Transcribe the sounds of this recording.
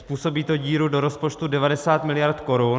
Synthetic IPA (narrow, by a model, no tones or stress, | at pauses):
spuːso̞biːt̪oɟiːɾudoɾospo̞t͡ʃt̪udɛvadɛsaːt̪mɪlɪjaɾt̪ko̞ɾun